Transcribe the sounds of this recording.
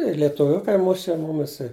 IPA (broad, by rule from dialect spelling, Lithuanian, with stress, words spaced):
ɪ lʲiɛtʊˈʋʲʊkɐɪ ˈmʊʃʲɛ ˈmʊmʲɪs ɪ